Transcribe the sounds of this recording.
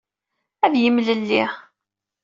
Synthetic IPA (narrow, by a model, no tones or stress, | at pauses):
æðjəmləlːi